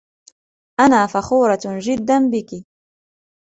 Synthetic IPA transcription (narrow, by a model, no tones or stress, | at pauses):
ʔanaːfaxuːɾˤɑd͡ʒɪd̪ːanbɪki